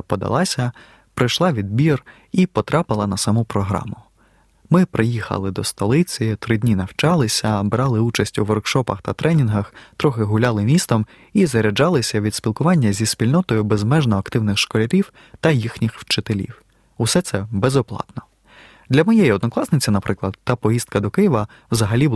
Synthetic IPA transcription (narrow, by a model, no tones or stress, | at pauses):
pɔd̪ɐ̰lˠɑsʲɐ | pɾɪjʃlˠɑʋʲid̪̚bʲir | ipɔt̪ɾɑpɪlˠɐnɐsɐmupɾɔɦɾɑ̰mʊ | mɪpɾejixɐ̰lˠɪd̪ɔst̪ɔlˠɪt͡sʲit̪ɾɪdʲnʲinɐwt͡ʃɑlˠɪsʲɐbɾɑlˠɪut͡ʃɐsʲtʲuʋɔrkʃɔpɐ̰xt̪ɐt̪ɾʔɛnʲinɦɐxt̪ɾɔxɪɦʊlʲɑlˠɪmʲist̪ɔm | izɐɾʲɐd͡ʒɑlˠɪsʲɐʋʲid̪spʲilˠkʊʋɑnʲːɐzʲispʲilʲnɔt̪ɔjʊbezmɛʒnɔɐkt̪ɪwnɪxʃkɔlʲɐɾʲiw | t̪ɐjixnʲixwt͡ʃɪt̪elʲḭw | usɛt̪sɛbezɔplˠɑ̰t̪nɔ | d̪lʲɐmɛjɛjiɔd̪nɔklˠɑsnɪt͡sʲinɐpɾɪklˠɐd̪t̪ɑpɔjist̪̚kɐd̪ɔkɪjɪʋɐ | wzɐɦɐlʲib